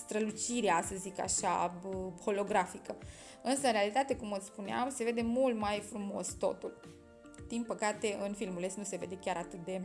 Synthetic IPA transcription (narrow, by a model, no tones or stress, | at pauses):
st̪ɾəlut͡ʃiɾeasəzika̰ʃa̰əxo̞lo̞ɡɾafikə | ɨnsəɨnɾealit̪at̪e̞kumospunea̰mse̞ve̞d̪e̞mult̪majfɾumo̞̰st̪o̞̰t̪ul | d̪̥inpəkat̪e̞ʔɨnfilmule̞snuse̞ve̞d̪e̞kʲaɾat̪ɨt̪̚d̪e̞